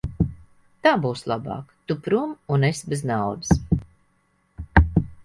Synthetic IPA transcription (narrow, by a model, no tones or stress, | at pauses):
t̪aːbuːslˠabɑ̰ːkt̪upɾumunesbeznawd̪ɨs